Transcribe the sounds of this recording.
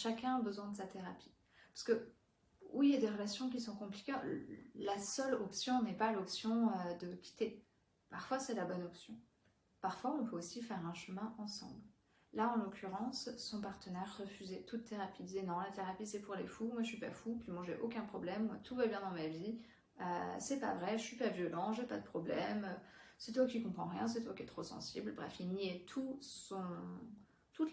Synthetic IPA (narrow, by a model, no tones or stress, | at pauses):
ʃakʲɛ̃abəzwɛ̃d̪əsat̪eʁapʰi̥ | pḁʁskə | uwiiljad̪eʁəlasjɔ̃k̬ʲisɔ̃kɔ̃pli̥kʲelasœlɔpsjɔ̃nɛpalɔpsjɔ̃ød̪əkʲi̥t̪e | paʁfwasɛlabɔnɔpsjɔ̃ | paʁfwaɔ̃pøosifɛʁɛ̃ʃəmɛ̃ʔɑ̃sɑ̰̃bl | laɑ̃lokʲyʁɑ̃sːɔ̃paʁt̪ənɛʁːəfyzɛt̪ʰut̪ːeʁapid̪izenɔ̃lat̪eʁapisɛpuʁlḛfumwaəʃɥipa̰fupɥimwaʒeʔokʲɛ̃pχɔblɛmːwat̪ʰuvabjɛ̃d̪ɑ̃mavi | ø̰sɛpa̰vʁɛʒəsɥipavjɔlɑ̃ʒepa̰d̪əpχɔblɛmøsɛt̪wakʲikɔ̃pχɑ̃ʁjɛ̃s̬ɛt̪wakʲiɛt̪χosɑ̰̃siblbʁɛfilniɛt̪ʰusɔ̃ | t̪ut̪